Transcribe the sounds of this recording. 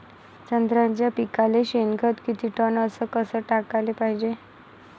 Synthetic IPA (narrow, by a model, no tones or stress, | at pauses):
t͡ɕənd̪ɾãɲt͡ɕjapikaleɕenkʰət̪kit̪iːʈənəsəkəsəːʈakalepaɦid͡ʑe